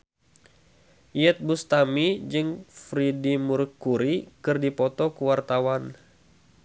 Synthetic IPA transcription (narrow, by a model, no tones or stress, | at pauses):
iɛt̪̚bust̪amid͡ʒɨŋfɾidimurkuɾikɨrdipɔt̪ɔkəwart̪awan